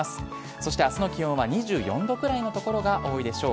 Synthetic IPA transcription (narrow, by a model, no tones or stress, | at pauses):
asɨ̥ | so̞ɕi̥t̪easɨno̞kʲiõɰ̃βaɲ̟iʑɨːjõ̞̰nd̪o̞kɯ̟ɾaino̞t̪o̞ko̞ɾo̞ɡaʔo̞ːid̪e̞ɕo̞ː